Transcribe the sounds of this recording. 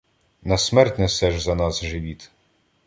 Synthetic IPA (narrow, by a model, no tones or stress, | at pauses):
nɐsmɛrtʲnɛsɛʒzɐnɑsʒɪʋʲit̪